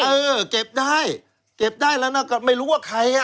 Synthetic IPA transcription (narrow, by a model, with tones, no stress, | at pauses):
ʔɤː˧ke˨˩p̚daː˥˩j | ke˨˩p̚daː˥˩jlɛ˦˥wna˦˥˩wkɔː˥˩ma˥˩jɾuː˦˥waː˥˩kʰa˧˥ja˧